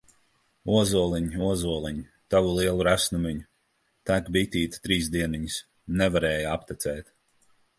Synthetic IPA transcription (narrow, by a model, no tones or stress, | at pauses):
uɔzuɔlˠiɲiuɔzuɔlˠiɲi | t̪avulˠiɛlˠuɾæsnumiɲu | t̪ækbit̪ʲiːt̪t̪ɾiːzd̪iɛniɲis | nɛvaɾɛːjaapt̪ɛt̪sɛːt̪